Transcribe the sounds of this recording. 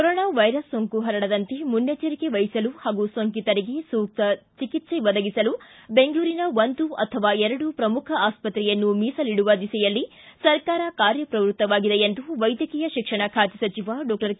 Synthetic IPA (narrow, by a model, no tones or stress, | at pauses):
kkɔɾɔːɳaːʋɐjɾɐsːoŋkuɦɐɾɐɽɐd̪ɐnt̪emunjɐt͡ʃɐɾike̞ʋɐjisɐluhaːɡusoŋkit̪ɐɾiɡe̞suːk̚t̪ɐt͡ʃikit̪seʋɐd̪ɐɡisɐlube̞ŋɡɭuːɾinɐʋond̪uɐ̰t̪ʰɐʋaːɛɾɐɽupɾɐmukʰɐaːspɐt̪ɾɛjɐnːumiːsɐliɽuʋɐd̪isɛjɐlːi | sɐɾkaːɾɐkaːɾjɐpɾɐʋɾut̪ːɐʋaːɡid̪ejend̪uʋɐjd̪jɐkiːjɐʃikʂɐɳɐkʰaːt̪isɐt͡ʃiʋɐɖɔːk̚ʈɐɾ